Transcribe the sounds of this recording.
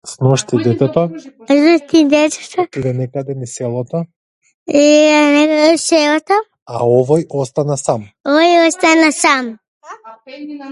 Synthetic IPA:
snɔʃt̪id̪ɛt̪ɛt̪ɔznɔʃt̪id̪ɛt͡ʃɛ̥t̪ʰaid̪ɛnɛkad̪ɛnisɛlˠɔt̪ɔ | ianɛɛsɛlɔt̪ɔ | a̰ɔvɔjɔst̪anasamoɔjɔst̪anasam

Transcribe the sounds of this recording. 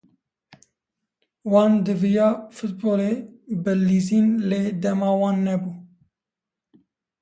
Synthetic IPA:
wɑːnd̪ɨvijɑːfɨt̪̚boːleːbɨliziːnleːd̪ɛmɑːwɑːnːɛbuː

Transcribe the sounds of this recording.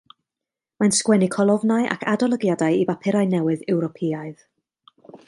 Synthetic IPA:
manskwɛnikʰɔlˠɔvnajʔa̰kʰadɔlˠəɡjadajivapʰɪɾajnɛwɨðɛwɾɔpʰiaɨð

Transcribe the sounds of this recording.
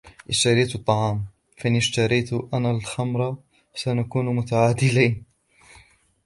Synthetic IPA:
ʔɪʃt̪aɾiːt̪t̪ˤːɑʕɑːm | faʔɪnɪʃt̪ɑɾijt̪ʔanːalxamɾˤɑ | sanakuːnmʊt̪aʕaːd̪ɪliːn

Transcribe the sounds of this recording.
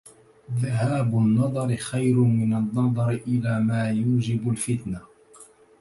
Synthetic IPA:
ðaɦaːbʊnːɑd̪ˤɑɾɪxajɾʊmɪnanːɑd̪ˤɑɾɪʔɪlaːmaːjuːd͡ʒɪbʊlfɪt̪na

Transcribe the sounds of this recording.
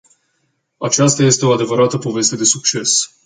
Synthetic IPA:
at͡ʃast̪aje̞st̪e̞o̞ad̪e̞vəɾat̪əpo̞ve̞st̪e̞d̪e̞suk̚t͡ʃe̞s

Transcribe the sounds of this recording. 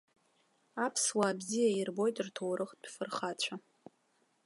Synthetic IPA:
apʰswaːbzijairbo̞jtʼrtʰowɾʔɨχt̚ʼpʰfɨrχat͡ɕʷʰa

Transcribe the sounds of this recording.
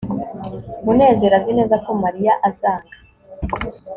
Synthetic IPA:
mune̞ːze̞ɾazineːzako̞maɾijaʔazaːŋɡa

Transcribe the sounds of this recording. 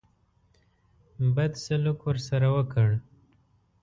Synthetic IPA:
bad̪salukwəɾsaɾawəkəɽ

